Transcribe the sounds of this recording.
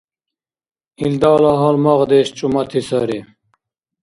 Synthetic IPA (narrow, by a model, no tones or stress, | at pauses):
ild̪ɑːlɑːɦɑlmɑʁd̪eɕt͡ʃʼumɐt̪ʰisɐɾi